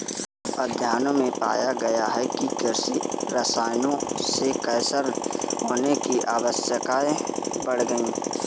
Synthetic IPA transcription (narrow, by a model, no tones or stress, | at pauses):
əd̪ʱjaːnõmẽpa̰ːjaɡɐjaɦɛkikɪɾsiɾɐsaːjnõsekəjsəɾɦoːnekiʔaːʋəsjəkaːebəɽ̤ɡəĩː